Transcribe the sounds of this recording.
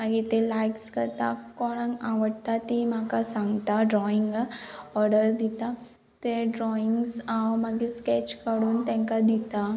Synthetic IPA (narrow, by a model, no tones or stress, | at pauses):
mɐɡit̪elaːɪkskɐɾt̪akɔːɽãŋaʋəʈt̪at̪imãːkasãŋɡt̪aɖɾɔːɪ̃ŋɡaɔːɾɖəɾd̪it̪a | t̪eɖɾɔːɪ̃ŋɡsaomaɡiskɛt͡ʃkəɽuːnt̪ɛ̃ŋkad̪it̪a